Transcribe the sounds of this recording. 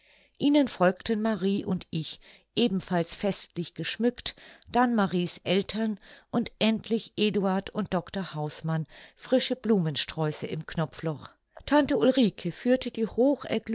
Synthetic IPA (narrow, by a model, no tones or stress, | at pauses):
ʔiːnənfɔlktn̩maʁiːʔʊntɪç | ʔeːbm̩falsfɛstlɪçɡ̥əʃmʏktd̥anmaʁiːsʔɛltʰɐnʔʊntʔɛntʰlɪçʔeːduaɐtʊnt̚d̥ɔktɐhaʊsmanfʁ̥ɪʃəbluːmənʃtʁ̥ɔʏsəɪmknɔflɔχ | tʰantəulʁiːkʰəfyːɐtədiːhoːxʔɛ̰ɐɡl